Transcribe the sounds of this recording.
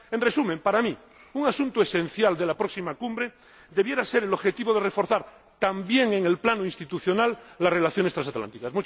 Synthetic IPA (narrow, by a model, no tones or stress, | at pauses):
ẽnresumẽmpaɾami | uŋasunt̪oesẽ̞n̟θjald̪e̞lapɾo̞ksimakumbɾe | d̪e̞βje̞ɾase̞ɾelo̞βxe̞t̪iβo̞ðerefo̞ɾθaɾ | t̪ambje̞ŋeŋelplanoinst̪it̪uθjonalːare̞laθjo̞nest̪ɾasat̪la̰nt̪ikasmut͡ʃ